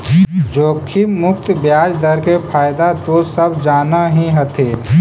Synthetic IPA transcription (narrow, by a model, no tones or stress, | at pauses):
d͡ʒoːkʰimʊkt̪bjaːd͡ʒd̪əɾkepʰaːjd̪at̪osɐbd͡ʒaːnaɦĩɦət̪ʰeː